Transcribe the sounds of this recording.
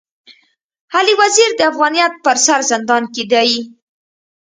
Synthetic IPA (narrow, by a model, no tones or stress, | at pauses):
haliwaziɾd̪əafɣɑnijat̪̚pəɾsaɾzɪnd̪ɑnked̪ɑji